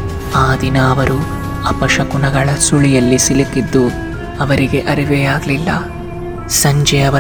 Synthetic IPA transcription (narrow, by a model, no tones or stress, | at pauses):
aːd̪inɐːʋɐɾu | ɐpɐʂɐkunɐɡɐɭɐsuɭijɐlːisilikid̪ːu | ɐʋɐɾiɡe̞ʔɐɾiʋɛjaːɡlilːɐ̰ | sɐɲd͡ʒɛɐʋɐ